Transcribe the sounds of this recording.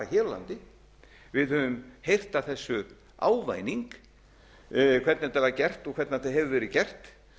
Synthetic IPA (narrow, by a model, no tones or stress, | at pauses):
açɛːɾla̰nt̪ɪ | vɪðhœːvʏmhejr̥t̪aθɛsːʏ | a̰ːwva̰ːjniŋk | kʰv̥ɛt̪nɪt̪ɛvaɾcɛr̥t̪ɔɣkʰvɛɾt̪naθaɦɛvʏvɛːɾɪcɛr̥t̪